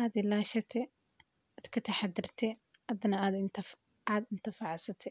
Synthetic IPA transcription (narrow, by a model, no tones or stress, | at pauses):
ʔaːd̪ɪlaːʃɐt̪ʰɛ | aːd̪kʰɐt̪ʰɐħɑd̪ɪrt̪ʰɛɐd̪ɐnɐaːd̪ | aːd̪ɪnt̪ʰɪfɑʕsɐt̪ʰɛ